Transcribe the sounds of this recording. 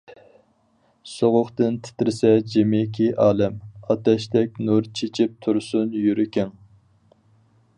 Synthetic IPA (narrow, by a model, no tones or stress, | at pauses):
soʁʊχt̪ɨnt̪ʰɪ̥t̪ɾɪsɛd͡ʒemɪkʲʰiʔɑːlɛmɑt̪ɛʃt̪ɛk̚ʲnuɾt͡ʃʰet͡ʃʰɪp̚t̪ʰuɾsunjyɾɪkʲɪŋ